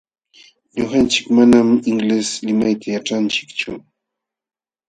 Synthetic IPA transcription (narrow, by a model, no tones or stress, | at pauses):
ɲoxant͡ʃɪ̥kmanamɪŋleslɪmajt̪ʰajaʈ͡ʂant͡ʃɪ̥kt͡ʃʊ̰